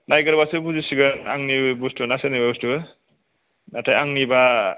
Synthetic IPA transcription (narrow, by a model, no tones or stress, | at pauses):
nʔajɡɯɾbasɯbuzisiɡɯnaŋnibustunasenibabustu | natʰajaŋniba